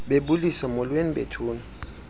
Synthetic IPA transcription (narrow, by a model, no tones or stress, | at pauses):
ɓeɓulisamɔlweniɓḛtʰuːna